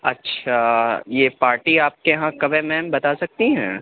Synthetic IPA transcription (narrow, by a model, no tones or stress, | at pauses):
ɐ̰tːʃʰajeːpaːɾʈiaːp̚kejɦãkɐbemɛːmbɐt̪asɐk̚t̪iɦɛ̃ː